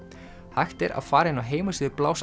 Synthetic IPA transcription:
hajxt̪ɛɾa̰ðfaːɾaɪnːawɦeːjmasɪðɪplaːws

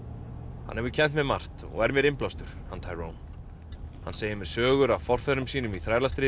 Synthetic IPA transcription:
hanhɛvʏcʰɛn̥t̪mɛðma̰r̥t̪ɔ̰ɣɛɾmjɛɾɪmplawst̪ʏɾ̥hant̪ʰajɾown | hanseːjɪmɛðsœːɣʏɾavfɔr̥fɛðɾʏmsiːnʏmiθɾaːjɾlast̪ɾɪː

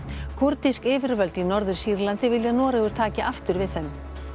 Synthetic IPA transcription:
kʰʊɾt̪iskɪːvɪɾvœlt̪inɔɾðʏɾ̥siːɾlant̪ɪvɪljanɔːɾaɣʏɾ̥t̪ʰaːcɪʔaft̪ʏɾvɪðθɛm

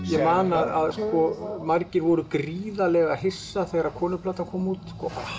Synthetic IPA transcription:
jɛmaːnaðaðskɔmarcɪɾvɔɾʏkɾiːðalɛɣaðɦɪsːaθeːɣɾakʰɔːnʏpʰlaːt̪akʰɔːmut̪skɔ

